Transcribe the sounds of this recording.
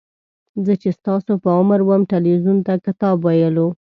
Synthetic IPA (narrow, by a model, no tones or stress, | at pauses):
zət͡ʃest̪ɑsopəʊməɾwəmʈɪlwizunt̪akɪt̪ɑbwajəlo